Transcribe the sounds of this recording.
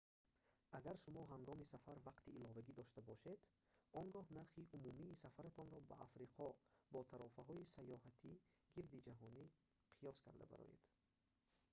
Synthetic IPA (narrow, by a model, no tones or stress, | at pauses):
aɡaɾʃumɔɦaŋɡɔmisafaɾvaqt̪iːlɔvaɡid̪ɔʃt̪abɔʃe̞d̪ | ɔŋɡɔhnaɾχiʔumumiːsafaɾat̪ʰɔnɾɔba̰ʔafɾiqʰɔbɔt̪ʰaɾɔfaɦɔisajɔhat̪ʰiɡiɾd̪id͡ʒaɦɔni | qʰijɔskʰaɾd̪a̰ba̰ɾɔ̰jḛd̪̥